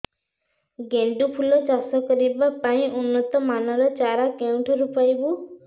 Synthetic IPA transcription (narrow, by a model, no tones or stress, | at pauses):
ɡeɳɖupʰulɔt͡ʃasɔkɔɾibapaĩʔunːɔt̪ɔmanɔɾɔt͡ʃaɾakew̃ʈʰɔɾupajbu